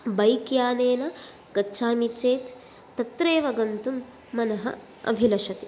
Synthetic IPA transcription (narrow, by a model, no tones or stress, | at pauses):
bɐjkjaːneːnɐ | ɡ̥ɐtːʃʰaːmit͡ʃeːt̪ː | ɐt̪ɾeːʋɐɡɐnt̪umː | ɐnɐɦɐ̰ | ɐ̰bʱilɐʂɐt̪i